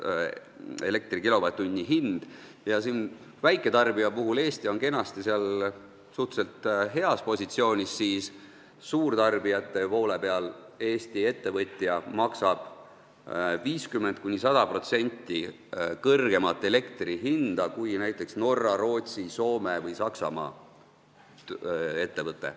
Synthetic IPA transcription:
e̞le̞k̚t̪rikilo̞vɑt̪ːˑunʲːiɦind̪̥ | jɑsiːn | væjkˑːe̞t̪ɑrbiɑpuɦule̞ːst̪io̞nke̞nɑst̪iseɑl | suht̪se̞lt̪ɦe̞ɑspo̞sʲit̪sio̞ːnʲisːiːs | suːrt̪ɑrbijɑt̪ːˑe̞po̞ːle̞pe̞ɑl | e̞ːst̪ie̞t̪ːe̞vɤt̪ʲˑjɑmɑksɑb̥ | viːskymːe̞nt̪̚kunʲisɑd̪̥ɑpro̞t̪se̞nʲt̪ːˑi | kɤrɡ̥e̞mɑt̪ːˑe̞le̞kt̪riɦind̪̥ɑkujnæjt̪ːˑe̞ksno̞rːɑɾo̞ːt̪siso̞ːme̞vɤjsɑksɑ̰mɑ̰ː | e̞t̪ːe̞vɤt̪ːˑe̞̰

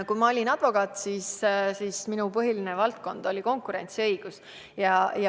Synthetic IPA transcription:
kumɑolʲinɑd̪̥vo̞kɑːt̪ˑsissiːsminupɤɦilinevɑlt̪̚ko̞nd̪̥o̞lʲiko̞ŋkuɾe̞nʲt̪siɤjɡ̥us | jɑjɑ

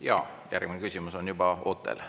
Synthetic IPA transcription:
jɑ̰ː | jʔæ̰rɡ̥minekysʲimuso̞njubɑoːt̪ːˑḛl

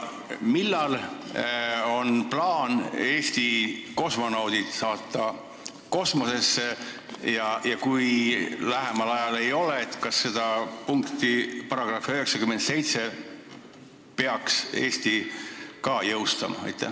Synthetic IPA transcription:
milːɑl | o̞nplɑːne̞ːst̪iko̞smɑnɑwd̪̥it̪sɑːt̪ːˑɑ | ko̞smo̞se̞sːe | jɑjɑkujlæɦe̞mɑlɑjɑle̞jo̞leːt̪kɑsːe̞d̪̥ɑpuŋkt̪ˑipɑɾɑɡ̥rɑføɦe̞ksɑkyment̪se̞jt̪se̞ | pe̞ɑkse̞̰ːst̪ikɑːjɤwst̪ɑ̰mɑ̰ɑ̰jt̪ːˑæ̰

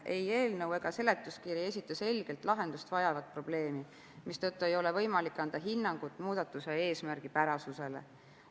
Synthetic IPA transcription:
ʔe̞je̞ːlnɤwe̞ɡ̥ɑse̞le̞t̪ːˑuskiːɾie̞sʲit̪ːˑɑse̞lɡ̥e̞lt̪ˑlɑɦe̞nd̪ust̪vɑjɑvɑd̪̥̚pro̞b̥le̞ːmi | mist̪ot̪ːue̞jo̞le̞vɤ̞jmɑlikːɑnd̪̥ɑɦinːɑŋɡ̥ut̪ːˑmuːd̪̥ɑt̪ːˑusee̞ːsmærɡ̥ipæɾɑsuse̞le̞̰

